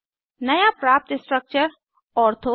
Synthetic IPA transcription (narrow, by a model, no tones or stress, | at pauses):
nɐjapɾaːp̚t̪ɪsʈɾək̚t͡ʃəɾ | ɔːɾt̪ʰo